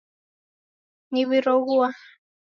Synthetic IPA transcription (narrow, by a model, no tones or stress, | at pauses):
niβiɾɔɣuwa